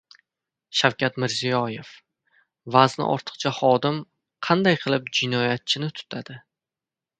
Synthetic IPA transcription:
ʃawkʲat̪mɪɾzijɒje̞f | vaznɪ̰ʔɒ̰ɾt̪ʰɨ̥qt͡ʃʰahɒd̪ɪm | qʰɑnd̪ajqʰɨlˠɪp̚d͡ʒɪnɒjat̪̚t͡ʃʰɪnɪt̪ʰʊ̥t̪ʰad̪̥ɪ

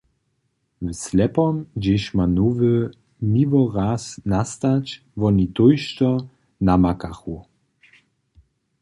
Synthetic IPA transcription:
wslɛpɔmd͡ʑeʃmanuvə | nivɔʁasnast̪at͡ɕ | vɔnit̪ojʃtɔ | namakaxu

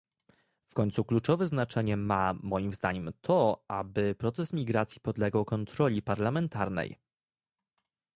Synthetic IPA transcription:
fkɔɲt̪suklut͡ʂɔvɛznat͡ʂɛɲɛmamɔjimvzd̪aɲɛmt̪ʰɔabɘpɾɔt̪sɛsmʲiɡɾat̪sʲjipɔd̪lɛɡawkɔnt̪ɾɔlʲipaɾlamɛnt̪aɾnɛ̰j

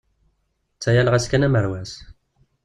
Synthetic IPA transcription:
t͡sːæjælʁæskænæməɾwæs

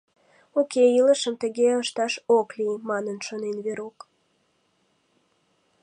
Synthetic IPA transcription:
okeiləʃəmt̪əɣeəʃt̪ɑʃoklimɑnənʃonenβeɾok

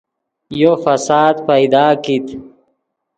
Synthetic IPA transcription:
jofɐsaːd̪pɐjd̪aːkit̪

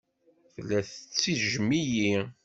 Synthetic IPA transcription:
θəlːæθət͡sːiʒəmiji

